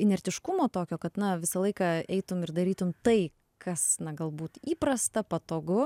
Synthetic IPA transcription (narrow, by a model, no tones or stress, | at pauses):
ɪnʲɛɾʲt̪ʲɪʃkʊmoːt̪oːkʲoːkɐt̪nɐʋʲɪsɐlˠɐɪkɐɛɪt̪ʊmɪrd̪ɐɾʲiːt̪ʊmt̪ɐɪ | kʰɐsnɐɡɐlˠbuːt̪iːpɾɐst̪ɐpɐt̪oːɡʊ